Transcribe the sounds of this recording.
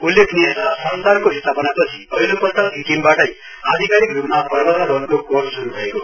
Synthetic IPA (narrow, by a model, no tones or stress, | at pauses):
ulːekʰniesasʌnsarkoist̪ʰapʌnapʌt͡sʰi̥ʌjlopʌt̪ːaɦikimbaʈʌj | ad̪ʱikaɾikrupmapʌrbʌɾabʱʌnkokorssuɾubʱʌeko